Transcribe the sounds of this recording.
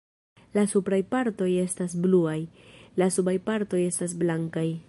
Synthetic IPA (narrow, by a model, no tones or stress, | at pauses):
lasupɾajpaɾto̞je̞stas̬bluajlasubajpaɾto̞je̞stas̬blaŋkaj